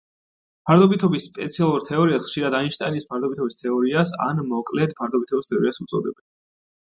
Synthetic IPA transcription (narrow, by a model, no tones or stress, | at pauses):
pʰaɾd̪ɔbit̪ʰɔbisːpʼɛ̰t̪sʰialˠuɾt̪ʰɛɔɾiasχʃiɾad̪ainʃt̪ʼanispʰaɾd̪ɔbit̪ʰɔbist̪ʰɛɔɾiasa̰nmɔkʼlɛt̪pʰaɾd̪ɔbit̪ʰɔbist̪ʰɛɔɾiasumt̪sʼɔ̰d̪ɛbɛ